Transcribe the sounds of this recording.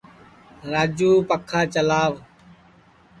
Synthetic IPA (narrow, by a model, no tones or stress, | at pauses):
ɾaːd͡ʒuːpəkʰːaːt͡ʃəlaːʋ